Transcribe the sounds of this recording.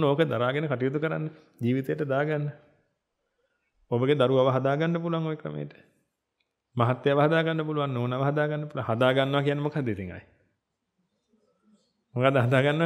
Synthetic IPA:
noːkəd̪aɾaːɡenəkaʈijot̪ukəɾa̰nːə | d͡ʒiːʋit̪ejəʈəd̪aːɡanːə | obəɡed̪aɾuʋaʋəɦad̪aːɡanːəpuluʋaŋojekɾə̰mḛjəʈə̥ | maɦat̪ːeaʋəɦad̪aːɡanːəpuluʋanːoːnaʋəɦad̪aːɡanːəpuluaŋɦad̪aːɡanːəʋakijanːemokad̪ːit̪iŋa̰j | mokad̪ːəɦad̪aːɡanːəʋ

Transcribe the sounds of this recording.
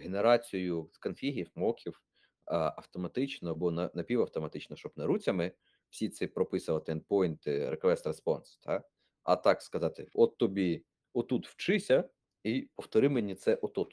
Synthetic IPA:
ɦeneɾɑt͡sʲijʊskɐnfʲiɦʲiwmɔkʲʰiw | ɐwt̪ɔmɐt̪ɪt͡ʃnɔbɔnɐnɐpʲiwɐwt̪ɔmɐt̪ɪt͡ʃnɔʃt͡ʃɔbnɐɾut͡sʲɐmɪ | w̥sʲit̪sɛpɾɔpɪsʊʋɐt̪ɪɛnd̪̚pɔjnt̪ɪɾekʋɛst̪ɾespɔnst̪ʰɑ | ɐ̰t̪ɑkskɐzɑt̪ɪɔt̪ːɔbʲi | ɔt̪ut̪w̥t͡ʃɪsʲɐ | ipɔwt̪ɔɾɪmenʲit̪sɛʔɔt̪ɔt̪

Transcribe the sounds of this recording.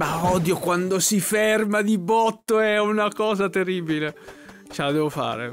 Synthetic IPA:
maɔd̪jokwand̪osifermad̪ibɔt̪ːoɛunakɔːzat̪eriːbile | t͡ʃelad̪ɛːvofa̰ːɾḛ

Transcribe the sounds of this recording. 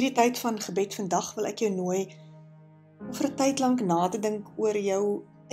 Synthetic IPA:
ditəjtfɐnχəbɛtfəndɐχvəlæ̰kjəwnuəj | ɔfərətɛjtlɐŋknɑːtədəŋkuərjœw

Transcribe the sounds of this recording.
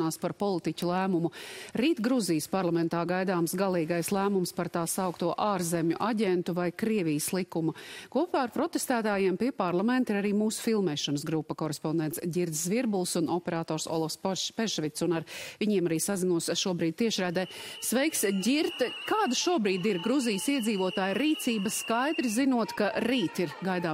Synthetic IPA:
aːspaɾpɔlˠit̪icʲulˠæːmumuɾiːt̪ɡɾuzijəspaɾlˠamɛ̃nt̪aːɡajd̪aːmsɡalˠiːɡajslˠæːmumspaɾt̪aːsawkt̪uɔʔaːɾzɛmʲɲuʔaɟʲɛnt̪uvajkɾiɛvʲijəslˠikumukuɔpaːɾpɾɔt̪est̪æːt̪aːjiɛmpiɛpaɾlˠamɛnt̪iɾaɾiːmuːsu̥filˠmɛːʃɔnəsɡɾupːɐkɔɾespɔnd̪ɛnt̪sɟʲiɾd̪zzviɾbulˠsunʔɔpɛɾaːt̪ɔːɾsɔ̰lˠɔfsppɛʃvit̪sunaɾvʲiɲiɛmaɾiːsazinuɔsʃuɔbɾiːd̪̚t̪iɛʃɾæːd̪ɛː | sʋɛjksɟʲiɾt̪kaːd̪aʃuɔbɾiːd̪iɾɡɾuzijəsiɛd̪ziːvuɔt̪aːjɾiːt̪siːbɐskajd̪ɾizinuɔt̪kaɾiːt̪iɾɡajd̪aː

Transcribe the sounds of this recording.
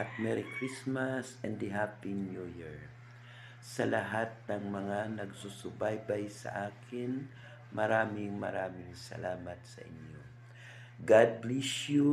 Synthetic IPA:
ʔat̪̚mɛɾikɹismasɛnd̪iɦapinjujɛɹ | sɐlʔɐɦat̪̚nɐŋmɐŋanɐɡsusʊbajbajsɐ̰ʔaːkʰɪn | mɐɾaːmɪŋmɐ̰ɾaːmɪŋsɐ̰laːmɐt̪sɐ̰ʔɪ̰ɲjo | ɡad̪̚blisju

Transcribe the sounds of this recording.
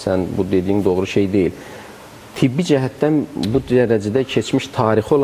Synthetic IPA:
sænbud̪e̞d̪ijind̪o̞ɣɾuʃe̞jd̪e̞jil | t̪ʰibːid͡ʒæɦæt̪ːænbud̪æɾæd͡ʒæd̪æcʰe̞t͡ʃʰmiʃt̪ʰɑːɾixo̞lˠ

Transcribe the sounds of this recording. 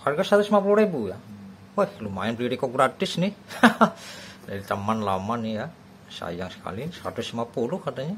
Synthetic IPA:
harɡasat̪usmapuluɾebuja̰ | wohlumaɪnpliɾikɔɡɾat̪ɪsni | dait̪əmanlamanija | sa̰jaŋsə̥ka̰lisəɾa̰t̪usimapulukat̪aɲa

